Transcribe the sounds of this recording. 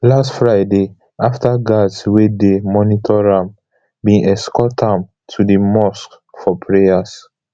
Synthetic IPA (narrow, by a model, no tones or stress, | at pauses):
lastfɹaɪde | aftaɡadswedemɔnitʰɔɹãm | bĩnɛskɔtʰãm | tʰudimɔsk | fɔpʰɹejas